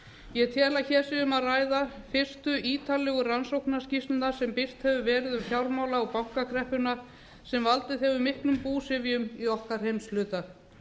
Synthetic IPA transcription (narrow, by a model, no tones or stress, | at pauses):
jɛt̪ʰjɛːlaçɛːsɪʏmaraːjðafɪ̥st̪ʏʔiːt̪ʰalɛɣʏransowhknḁscist̪nasɛmpɪst̪hɛvʏvɛːɾɪðʏmfjawɾmawlaɔpawŋ̥kakʰɾɛhpʏna | sɛmvalt̪ɪðɛvʏmɪhklʏmpuːsɪvjʏmiɔhkaɾ̥hejmslʏːt̪a